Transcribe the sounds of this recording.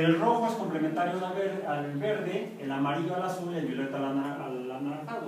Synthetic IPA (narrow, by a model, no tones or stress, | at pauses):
elro̞xoeskomple̞ment̪aɾjonaβeallβe̞ɾðe̞ | enlamaɾiʝoalasulelβjo̞let̪oalanaal | anaɾakaðo